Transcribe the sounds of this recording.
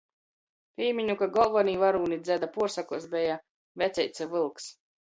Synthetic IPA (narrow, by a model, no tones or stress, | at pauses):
pʲiːmʲiɲukaɡɔlˠvɔniːvaɾuːnid̪zʲæd̪apuɔɾsakuɔs̬bʲɛja | vɛt̪sʲɛjt̪sɛvɨlˠks